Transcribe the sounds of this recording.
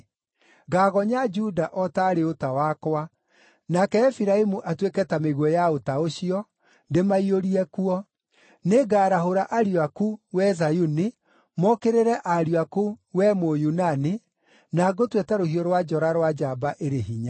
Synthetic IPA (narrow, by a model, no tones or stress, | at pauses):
ɡaːɣɔɲad͡ʒudaʔɔtaɾeotawakwa | nakɛːfiɾaemuʔatwekɛtameɣwɔjaotaoɕiɔ | ndemaioɾiɛkuɔ | neɡaːɾaɦoɾaʔaɾiakuwɛzajuni | mɔkeɾeɾɛʔaɾiakuwɛmojunane | naɡotwetaɾohiɔɾwad͡ʒɔɾaɾwad͡ʒabaʔeɾeɦiɲa